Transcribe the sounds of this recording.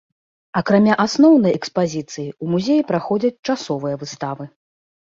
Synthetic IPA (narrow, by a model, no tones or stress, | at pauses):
ɐkɾamʲaʔasnɔwn̪ɐjɛkspazʲit̪sɨjiumuzʲejipɾaxɔd͡zʲɐt͡sʲt͡ʂasɔvɨjɐvɨst̪avɨ